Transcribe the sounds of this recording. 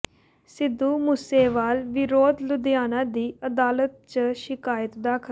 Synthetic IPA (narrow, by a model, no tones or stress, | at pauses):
sɪd̪ːuːmuːseːʋaːlʋɪɾoːd̪lʊd̪ɪjaːnãːd̪iːəd̪aːlət̪̚t͡ʃʃɪkaːjət̪d̪aːkʰ